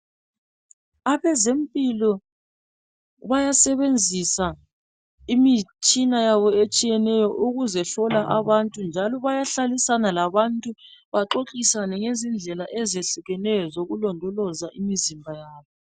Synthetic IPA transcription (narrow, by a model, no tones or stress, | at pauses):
aβɛzempʼilɔ | βajasɛβend͡zʱisa | imit͡ʃʼinajaβɔet͡ʃʼijɛnɛjɔʔuɣuzɛɬɔlaʔaβantʼund͡ʒʱalɔβajaɬalisanalaβantʼuβaǃoǁisanɛŋezind͡ɮʱɛlaʔɛzeɬuɣɛnɛjɔzoɣulɔndʱɔlɔzaʔimizimbʱajaːβɔ